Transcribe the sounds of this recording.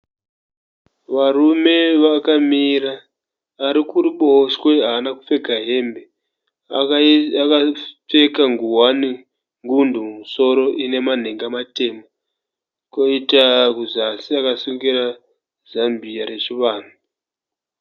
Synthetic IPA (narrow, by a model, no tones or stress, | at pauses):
ʋarume̞ʋakamiɾaː | ɾikuɾuɓoswe̞ɦaːnakufe̞ɡʱaɦe̞mbe | akap͡fe̞kaŋɡuwani | ŋɡundumumuso̞ɾo̞ʔine̞man̤eŋɡamateːma | koitakuzasiakasuŋɡiɾa | zambiaɾe̞t͡ʃiʋaːn̤u